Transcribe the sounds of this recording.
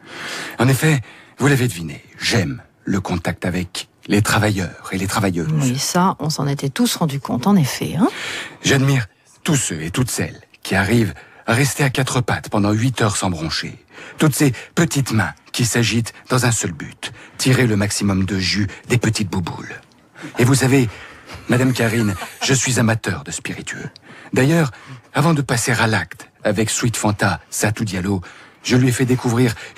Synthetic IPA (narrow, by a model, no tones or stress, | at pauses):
ɑ̃nefɛvulaved̪əvineʒɛm | ləkɔ̃t̪ak̚t̪avɛk | let̪χavajœːʁelet̪χavajøisaɔ̃sɑ̃net̪ɛt̪usʁɑ̃d̪ykɔ̰̃t̪ɑ̃nefɛ̰ɛ̃ʒad̪miʁ | t̪usøet̪ut̪sɛ̰lkʲiaʁivaʁɛst̪eakʲat̪χəpat̪pɑ̃d̪ɑ̃ɥit̪œʁsɑ̃bʁɔ̃ʃḛt̪ut̪sepət̪it̪mɛ̃kʲisaʒit̪d̪ɑ̃zɛ̃sœlby̰t̪ːiʁeləmaksimɔmd̪əʒyd̪epət̪it̪̚bubṵl | evusavemad̪amkaʁinʒəsɥizamat̪œʁd̪əspiʁit̪ʰyø̰d̪ajœːʁavɑ̃d̪əpaseʁalakt̪avɛkswit̪fɑ̃t̪asat̪ud̪jaloʒəlɥiɛfɛd̪ekuvʁiʁ